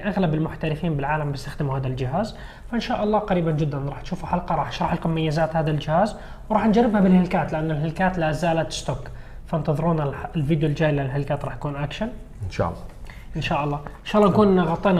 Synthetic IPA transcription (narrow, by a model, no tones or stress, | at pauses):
ʔaɣlabɪlmʊħt̪aɾɪfiːnbɪlʕaːlambɪst̪axd̪ɪmuhaːd̪ald͡ʒɪɦaːz | faʔɪnʃaːʔɑlˤːɑːqɑɾiːband͡ʒɪd̪ːanɾˤɑːħt̪ʃuːfaħɑlqɑɾˤɑːħʃɾˤɑħlkʊmajːɪzaːt̪haːd̪ald͡ʒɪhaːz | wɾˤɑːħnd͡ʒarːɪbhabɪlhɪlkaːt̪lɪʔanːalɦɪlkaːt̪lazaːlat̪st̪oːk | fnt̪ɑðˤɨɾuːnaɪlviːd̪jʊld͡ʒaːjllɦɪlkaːt̪ɾˤɑːħjḁkuːnʔakʃan | ɪnʃa̰ʔlːɑ | ʔɪnʃaːʔɑlˤːɑːɪnʃaːʔɑlˤːɑːkuːnʔɪnaɣɑt̪ˤːiːn